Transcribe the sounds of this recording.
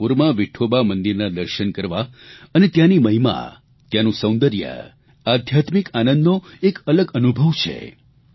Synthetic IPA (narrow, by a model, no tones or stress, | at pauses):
puɾmãʋiʈʰobamənd̪iɾnad̪əɾʃənkəɾʋaənet̪janiməɦima̰ | t̪janũsə̃w̃nd̪əɾjə̰ | ad̪ʱjat̪mikanə̃nd̪noekələɡənubʱəʋt͡ʃʰḛ